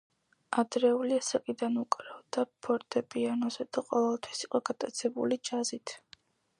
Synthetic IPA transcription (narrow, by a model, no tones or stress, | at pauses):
ad̪ɾɛuliasakʼid̪anukʼɾavd̪apʰɔɾt̪ʼɛpʼianɔzɛd̪aqʼɔvɛlˠt̪ʰwi̥siqʼɔɡat̪ʼat̪sʰɛbṵlid͡ʒazit̪ʰ